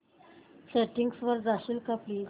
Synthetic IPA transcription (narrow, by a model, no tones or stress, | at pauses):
seʈiŋɡsʋəɾd͡zaɕilkapliːz